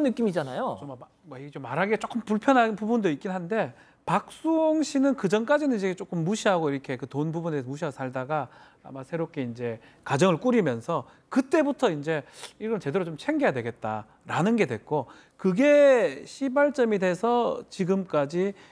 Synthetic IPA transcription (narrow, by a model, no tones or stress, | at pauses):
nːɯk͈imid͡ʑanajot͡ɕoma | wʌiɡet͡ɕomːaɾɦaɡet͡ɕ͈ok͈ɯmpuɭpʰjʌnɦanpubundoik͈̚inɦande̞ | pak̚s͈uoŋɕʰinɯnkɯd͡ʑʌnk͈ad͡ʑinɯnid͡ʑekt͡ɕ͈ok͈ɯmːuɕʰiɦaɡoiɾʌkʰe̞kɯtonbubuneesʰʌmuɕ̬ʰiasʰaɭdaɡa | a̰masʰe̞ɾop̚k͈e̞ind͡ʑe̞ | kad͡ʑʌŋɯɭk͈uɾimjʌnsʰʌ | kɯt͈e̞butʰʌind͡ʑe̞iɡʌt͡ɕe̞deɾot͡ɕomt͡ɕʰe̞ŋɡejadwe̞ɡe̞t̚t͈a | ɾanɯnɡe̞dwe̞k͈o | kɯɡe̞ɕʰibaɭt͡ɕ͈ʌmidwe̞sʰʌt͡ɕiɡɯmk͈ad͡ʑi